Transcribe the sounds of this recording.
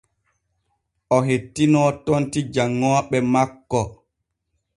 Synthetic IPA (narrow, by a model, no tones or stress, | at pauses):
ʔɔɦetːinɔːtontid͡ʒaŋːɔːɓɛmakːɔ